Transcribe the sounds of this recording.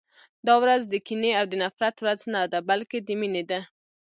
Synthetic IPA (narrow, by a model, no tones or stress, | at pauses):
d̪ɑwɾazd̪əkineawd̪ənafɾat̪wɾaznad̪abalked̪əmined̪a